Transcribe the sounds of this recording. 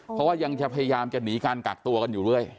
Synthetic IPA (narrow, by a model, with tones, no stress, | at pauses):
pʰɾɔ˦˥waː˥˩ja˧ŋt͡ɕa˨˩pʰa˧ja˧jaː˧mt͡ɕa˨˩ni˩˦kaː˧nka˨˩k̚t̪u˧ɐka˧njuː˨˩ɾɯ˥˩əj